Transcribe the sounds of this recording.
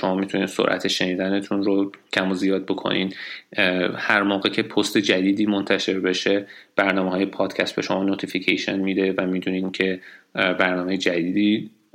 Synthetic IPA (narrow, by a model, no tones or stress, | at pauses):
ʃo̞mɒːmit̪ʰuniːd̪so̰ɾʔæ̰t̪ʰeʃe̞niːd̪æne̞t̪ʰunɾocʰæmozijɒːd̪̚bo̞kʰo̰nin | hæɾmoːɣe̞cʰe̞pʰost̪e̞d͡ʒæd̪iːd̪iːmont̪ʰæʃe̞ɾbe̞ʃe̞b̥æɾnɒːmeɦɒːjepʰɒːd̪̥cʰæst̪̚be̞ʃo̞mɒːnot̪ʰificʰḛjʃḛnmid̪e̞væmid̪uniːncʰe̞bæɾnɒːme̞jed͡ʒæd̪iːd̪iː